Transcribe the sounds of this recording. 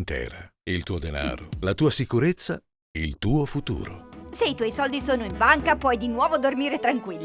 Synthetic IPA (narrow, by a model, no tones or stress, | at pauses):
nt̪ɛ̰ːɾa̰ilt̪uːod̪ena̰ːɾo̰lat̪uːasikuɾet̪sːa | ilt̪uːofut̪ṵːɾo̰seit̪wɔjsɔld̪isoːnoiɱbaŋkapwɔjd̪inwɔːvod̪ormiːɾet̪ɾaŋkwilːi